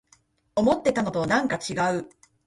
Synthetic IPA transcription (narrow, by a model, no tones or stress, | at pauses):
o̞mo̞t̪ːe̞t̪ano̞t̪o̞nãŋkat͡ɕiɡaɯ̟